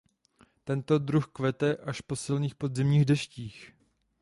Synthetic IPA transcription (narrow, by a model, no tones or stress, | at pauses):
t̪ɛnt̪o̞dɾuxkvɛt̪ɛʔaʃpo̞sɪlɲiːxpo̞d̪zɪmɲiːɣdɛʃciːx